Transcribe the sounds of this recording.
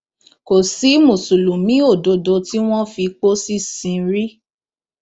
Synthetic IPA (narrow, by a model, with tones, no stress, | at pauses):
ko˨si˨˦mũ˨su˨lu˨mĩ˨˦o˦˨do˧do˧ti˦w̃ɔ̃˦fi˧k͡po˦si˦sĩ˧ɾi˦